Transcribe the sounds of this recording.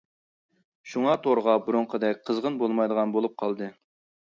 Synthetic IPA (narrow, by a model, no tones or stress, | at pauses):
ʃuŋɑt̪ʰoɾʁɑbuɾuɴqʰəd̪ɛk̚ʲqʰəzʁənbolˠmɑjd̪əʁɑnbolˠup̚qʰɑlˠd̪ɨ